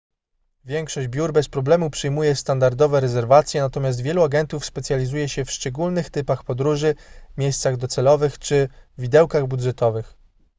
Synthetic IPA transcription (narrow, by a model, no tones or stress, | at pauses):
vʲjɛŋkʂɔd͡ʑbʲjuɾbɛspɾɔblɛmupʂɘjmujɛst̪and̪aɾd̪ɔvɛɾɛzɛɾvat̪sʲjɛnat̪ɔmʲjas̬t̪vʲjɛluaɡɛnt̪ufspɛt̪sʲjalʲizujɛɕɛfʂt͡ʂɛɡulnɘxt̪ɘpaxpɔd̪ɾuʐɘmʲjejst̪saɣd̪ɔt̪sɛlɔvɘxt͡ʂɘvʲid̪ɛwkaɣbud̪ʐɛt̪ɔvɘx